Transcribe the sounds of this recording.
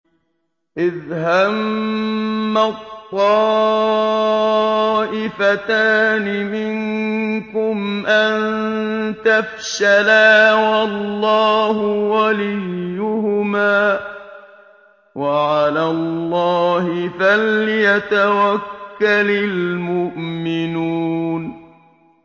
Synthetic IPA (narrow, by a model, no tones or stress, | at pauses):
ʔɪðhamː | at̪ˤːɑː | ʔɪfat̪aːnɪmɪŋkʊmʔant̪afʃalaːwɑlːɑːɦʊwalɪjːʊhʊmaː | waʕalalːɑːhɪfalːɪjat̪awakːalɪlmʊʔmɪnuːn